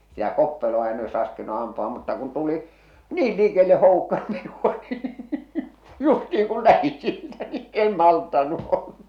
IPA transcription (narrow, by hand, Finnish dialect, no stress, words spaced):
sitæ kopːeloɑ en oes rɑˑskinu ɑmpuɑ mutːɑ kun tuli niːl liˑkelːe hoˑukːɑ minuɑ niː justiiŋ kul læhi siːtæ ni en mɑltːɑnːu o̥l̥ːɑ̥